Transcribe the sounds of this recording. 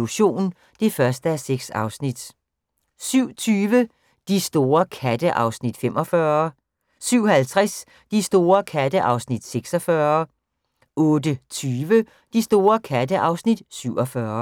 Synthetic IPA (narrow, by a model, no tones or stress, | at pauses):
luɕo̝̰ːn | d̥e̝fɶɐsd̥əæseɡ̥sɑ̈ʊsnid̥ | syʊ̰t͡sʰyːʋə | d̥isd̥o̝ːɐkʰæd̥əʔɑ̈ʊsnid̥fem̰ʔɒ̽fɶɐ | syʊ̰hælt͡sʰʁas | d̥isd̥o̝ːɐkʰæd̥əʔɑ̈ʊsnid̥seɡ̥sɒfɶɐ | ɔ̽ːd̥ət͡sʰyːʋə | d̥isd̥o̝ːɐkʰæd̥əʔɑ̈ʊsnid̥̚syʊ̰ɒ̽fɶɐ